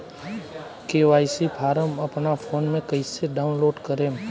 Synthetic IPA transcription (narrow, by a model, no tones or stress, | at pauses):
keːʋaːisipʰaːɾəməpnapʰoːnmẽkəiseɖaːʊnloːɖkəɾẽːm